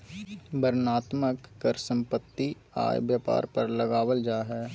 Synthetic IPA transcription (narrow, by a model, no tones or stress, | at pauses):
bəɾnaːt̪məkːəɾsə̃mpət̪ːi | a̰ːjʋjaːpa̰ːɾpɐɾləɡaːwəld͡ʒaːɦɛː